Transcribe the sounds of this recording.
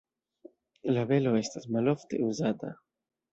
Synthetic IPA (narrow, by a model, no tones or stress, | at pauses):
laβeloest̪azmaloft̪euzat̪a̰